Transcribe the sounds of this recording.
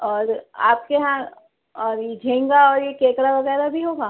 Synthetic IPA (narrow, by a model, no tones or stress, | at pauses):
ɔːɾa̰ːp̚keɦã | ɔːɾd͡ʒʱẽːŋɡaɔːɾjekeːkɾaʋɐɣɛːɾabʱiɦoːɡaː